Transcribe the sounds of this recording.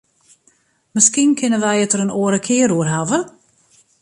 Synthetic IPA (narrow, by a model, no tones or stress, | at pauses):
məskinkʰɪnəʋɛjətəɾənoəɾəkʰɪəɾuərɦavə